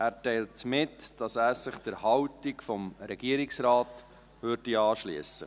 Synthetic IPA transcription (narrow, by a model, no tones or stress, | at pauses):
ʔæːɾtɛɪltmɪtd̥ɑsæːɾsɪχd̥əɾhɑwtikfɔmɾɛɡiəɾɪksɾɑːt | vørd̥iɑːʃlḭəsə